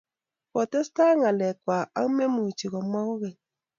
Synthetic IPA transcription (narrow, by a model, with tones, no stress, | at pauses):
kɔ˨tɛ˦sta˦ŋa˨lɛ˨kwa˨a̰˦me˦mu˨t͡ʃi˨ɣɔ˨mwa˦ɣu˦ɣe˨